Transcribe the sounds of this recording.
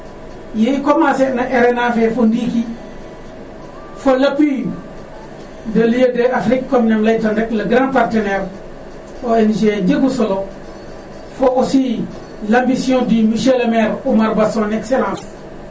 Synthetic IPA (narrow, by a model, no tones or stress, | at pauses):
jekomasenaʔeɾenafefondiki | folapi | dɐlijedeafɾikkːomnamlaitondeklaɡɾãnpaɾteneɾ | oeniʃ̬ed͡ʒeɡusolo | foʔusi | lambisijõdimiʃelameɾumaɾbasõnekselãːs